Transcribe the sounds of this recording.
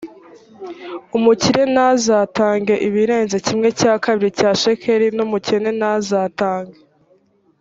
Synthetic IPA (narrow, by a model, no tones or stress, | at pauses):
umuciɾe̞naːzaːtaːŋɡe̞ʔiβiɾe̞ːnzecimŋe̞caːkaβiɾicaːʃekʰeɾinumucene̞nazaːtaːŋɡe